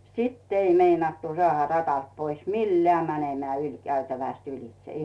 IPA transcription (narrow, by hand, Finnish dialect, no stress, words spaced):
sitː ei meinɑtːu sŏɑˑhɑ rɑtɑlt pois milːeæˑ mænemæː ylʲkæytæʋæˑst ylĭl̆t̆s̆ĕ